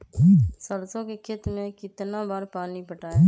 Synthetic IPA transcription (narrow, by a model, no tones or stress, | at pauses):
səɾsõkekʰɪt̪mẽkɪt̪nabaːɾpaːnipəʈaː